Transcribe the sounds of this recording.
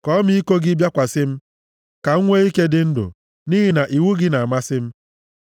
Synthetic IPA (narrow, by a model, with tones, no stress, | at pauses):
kɔ˦mi˦i˦ko˦ɡɪ˦bja˦kʷa˨sɪ˦m̩˦ | ka˨ŋ̩˦ŋʷe˦i˦ke˦dɪ˦n̩˦dʊ̰˨ | ni˦ɦi˦na˨ʔi˨wu˦ɡɪ˦na˨a˨ma˦sɪ˦m̩˦